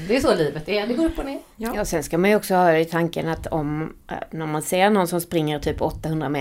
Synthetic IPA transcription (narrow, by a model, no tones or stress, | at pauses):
d̪ɛʉsɔliːvət̪æd̪ɛɡoːɾɵpːɔneːɾjɑːsɛnskamanjʏɔksɔhɑːɪt̪ʰaŋkənat̪ɔm̰næɾmanseːɾnɔnsɔmspɾɪŋːəɾt̪ʰyːpʰːɔt̪ːahɵnd̪ɾamɛ